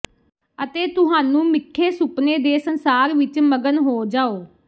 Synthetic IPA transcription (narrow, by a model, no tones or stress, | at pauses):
ət̪eːt̪ʊɦaːnũːmɪkʰːeːsʊpneːd̪eːsənsaːɾʋɪt͡ʃməɡənɦoːd͡ʒaːoː